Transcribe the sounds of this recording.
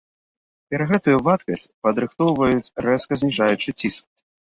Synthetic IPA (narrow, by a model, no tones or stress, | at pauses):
pʲɛɾɐɣɛt̪ujuvat̪kɐsʲt͡sʲpɐd̪ɾɨxt̪ɔwvɐjut͡sʲrɛskɐzʲnʲiʐajut͡ʂɨt͡sʲisk̚